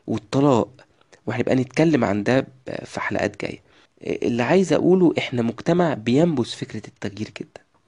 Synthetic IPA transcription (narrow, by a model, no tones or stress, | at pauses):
wʔet̪ˤːɑlɑːʔ | weħæjebʔæ̰net̪kælːemʕa̰nd̪æfiħalæ̰ʔæ̰ːt̪̚ɡæ̰ːjːæ̰ | ʔḛlːiʕajezʔæ̰ʔuːloʔeħnæmoɡt̪æmaʕbejæmbosfekɾæt̪ːæɣjiːɾɡed̪ːæ̥